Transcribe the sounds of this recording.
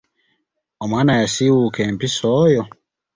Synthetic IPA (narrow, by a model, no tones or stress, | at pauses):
ɔmanajasiwukɛm̩pisɔjɔ